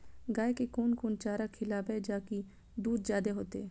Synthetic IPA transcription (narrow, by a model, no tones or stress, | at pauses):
ɡaːekekoːnkoːnt͡ʃaːɾakʰɪlaːbɛd͡ʒaːki | d̪uːd̪zjaːd̪eɦoːt̪eː